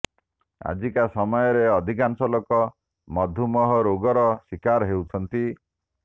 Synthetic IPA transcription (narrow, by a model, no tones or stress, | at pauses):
a̰d͡ʒikasɔmɔjɔɾeɔd̪ʱikansɔlokɔ | mɔd̪ʱumɔɦɔɾoɡɔɾɔswikaɾɦewt͡ʃʰɔnt̪i